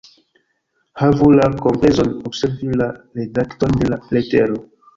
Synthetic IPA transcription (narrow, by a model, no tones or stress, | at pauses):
havulakompɾezonobseɾvilaɾedaktonde̞laleteɾo